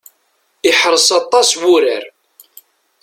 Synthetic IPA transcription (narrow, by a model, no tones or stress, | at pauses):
iħɾˤəsɑt̪ˤːɑswʊɾəɾ